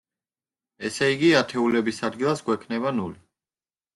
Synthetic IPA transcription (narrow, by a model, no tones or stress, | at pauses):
ɛsɛiɡiat̪ʰɛulɛbisad̪̚ɡilˠasɡwɛkʰnɛβanuli